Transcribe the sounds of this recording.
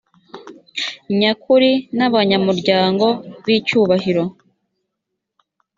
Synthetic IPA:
ɲakʰuɾinaβaɲamuɾɟaːŋɡo̞βiːcuːβaɦiɾo̞

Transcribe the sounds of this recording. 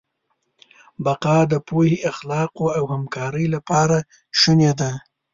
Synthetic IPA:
baqɑd̪əpoheʔaxlɑqoawhamkɑɾəjlapɑɾa | ʃuned̪a

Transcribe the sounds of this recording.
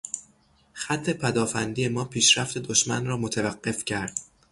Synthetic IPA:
xæt̪ʰːe̞pʰæd̪ɒːfænd̪iːjemɒːpʰiːʃɾæft̪ʰe̞d̪oʃmænrɒːmot̪ʰævæɢːe̞fcʰæɾd̪̥

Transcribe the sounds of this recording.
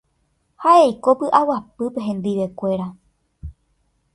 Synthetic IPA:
haʔe̞jko̞pɨʔawapɨpe̞ɦẽ̞nd̪iʋe̞kʷe̞ɾa

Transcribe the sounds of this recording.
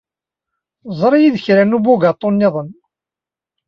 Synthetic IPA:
zˤɾˤijiðəçɾænubʊɡat̪ˤːonːɪðˤən

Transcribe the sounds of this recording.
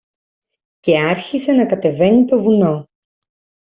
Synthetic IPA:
ce̞ɐɾçise̞nɐkɐt̪e̞ve̞nit̪o̞vuno̞

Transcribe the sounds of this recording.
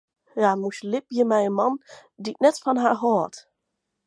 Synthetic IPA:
jamuslɪp̚jəmɛjənmɑndiknɛtfɔnɦaɦɔət

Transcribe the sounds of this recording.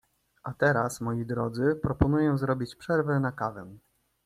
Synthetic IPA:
ʔat̪ɛɾasmɔjid̪ɾɔd̪zɘpɾɔpɔnujɔ̃w̃zɾɔbʲit͡ɕpʂɛɾvɛnakavɛ̃

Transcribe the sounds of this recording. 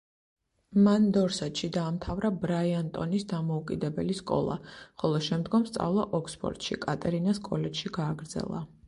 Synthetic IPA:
mand̪ɔɾsat̪ʃid̪aːmt̪ʰavɾabɾaiant̪ʼɔnisd̪amɔukʼid̪ɛbɛliskʼɔ̰lˠa̰χɔlˠɔʃɛmd̪ɡɔmst̪sʼa̰vlˠaʔɔkʰspʰʼɔ̰ɾt̪ʼʃḭkʼat̪ʼɛɾinaskʼɔlɛt͡ʃʃiɡaːɡɾd̪zɛ̰lˠa̰

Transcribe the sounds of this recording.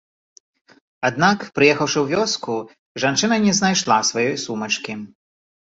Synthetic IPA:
ad̪nakpɾɨjɛxɐwʂɨwvʲɔsku | ʐant͡ʂɨnɐnʲɛznajʂlˠasvajɔjsumɐt͡ʂkʲi

